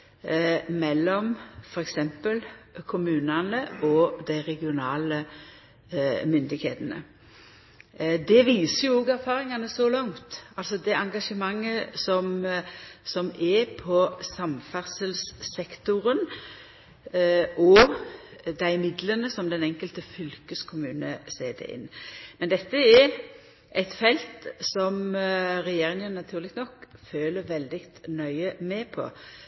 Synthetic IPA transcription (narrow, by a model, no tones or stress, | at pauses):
mɛlːɔmfɔɾɛksɛmpəlkʰʊmʉːnɑnəʔɔd̪æɪʁɛɡɪʊnɑːlə | mʏnd̪ɪɡhḛːt̪ənə̰ | d̪ɛʋiːsəjʊoːɡæɾfɑːɾɪŋɑnəsɔlɑŋt̪ɑlsɔd̪ɛɑŋɡɑʂəmɑŋːəsɔm | sɔmɛpʰɔsɑmfæʁsəlssɛkt̪ʊɾən | ɔ | d̪æɪmɪd̪lənəsɔmd̪ɛnɛŋkəlt̪əfʏlkəskʰʊmʉːnəsḛːd̪ɛ̰ʔɪ̰nːmɛnd̪ɛt̪ːəɛ | ʔɛɪt̪fɛlt̪sɔmɾɛjeːɾɪŋənːɑt̪ʰʉːʁlɪkt̪nɔkføːləɾʋɛld̪ɪkt̪nœʏəmɛpʰɔ̰